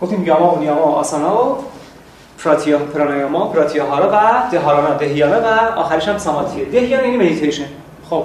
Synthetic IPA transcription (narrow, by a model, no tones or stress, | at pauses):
ɡoft̪iːmjɒːmɒonijɒːmɑːɒ̰ːsɑːnɑo | pʰɾɒt̪ʰijɔpʰeɾɑnɑjɑmɒpʰɾɒːt̪ʰijɑɦɒːɾevæd̪̥eɦɒːɾɒːnɒd̪eɦjɒːnevæɒ̰ːxæɾeʃæmsɒmɒt̪ʰied̪ehjɑːnjænimed̪it̪ʰejʃen | xob̥̚